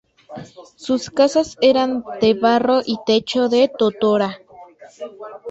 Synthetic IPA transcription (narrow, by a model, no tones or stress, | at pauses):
suskasaseɾand̪eβaroʔit̪et͡ʃoðet̪ot̪oɾa